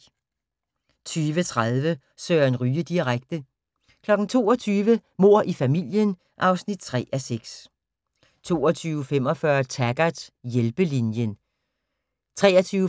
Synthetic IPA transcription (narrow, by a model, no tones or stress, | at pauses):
t͡sʰyːʋət͡sʰʁaðˠʋə | søːɐænʁyːəd̥iʁaɡ̥̚d̥ə | kʰlɒ̽ɡ̥n̩t͡sʰo̝̰ːɒ̽t͡sʰyːʋəmo̝ɐ̰ʔifæmil̰jən | ʔɑ̈ʊsnid̥̚t͡sʰʁɛ̰ːæseɡ̥s | t͡sʰo̝̰ːɒt͡sʰyːʊfem̰ɒ̽fɶɐt͡sʰæɡ̥æ̥jelb̥əlinjən | t͡sʰʁɛ̰ːɒt͡sʰyː